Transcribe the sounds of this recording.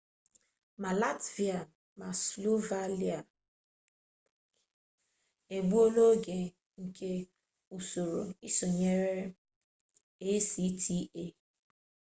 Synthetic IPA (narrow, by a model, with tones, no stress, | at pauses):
ma˨la˦tvi˨a˨ | ma˨slo˦va˦li˦a˨ | e˨ɡ͡bu˦o˦lo˦ɡe˨ | ŋ̩˨kʰe˦ | u˨so˨ɾo̰˨i˦so˨ɲe˦ɾe˦ɾe˦ | e˦si˦tʰi˦e˦